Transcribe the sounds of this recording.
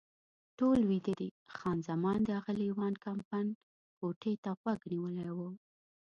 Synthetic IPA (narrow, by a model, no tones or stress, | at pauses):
ʈolwid̪əd̪ixɑnzamɑnd̪əaɣəliwɑnkampan | poʈʰet̪aɣwaɡniwəlajwu